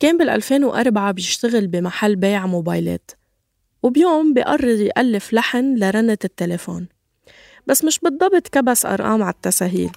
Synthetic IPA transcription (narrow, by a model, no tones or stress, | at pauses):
keːmbɪlʔa̰lfeːnwʔɑ̰ɾˤbaʕabjɪʃt̪aɣɪlbimaħalːbeːʕmoːbaːjlḛːt̪ | wɪbjoːmbiʔɑrˤːɨd̪ˤjʔalːɪflaħnlaɾˤanːɪt̪ɪt̪ːelefo̰ːn | b̥asːmɪʃbɨd̪ˤːɑbt̪ˤkabasʔɑ̰ɾˤʔɑ̰ːmʕat̪ːasaːɦḭːl